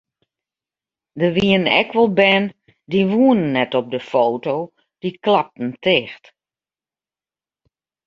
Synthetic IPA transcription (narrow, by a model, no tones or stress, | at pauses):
dəʋiənɛ̰kʰʋɔlˠbɛn | diʋuənənːɛtɔp̚dəfoːtow | d̥iklap̚tn̩tɪxt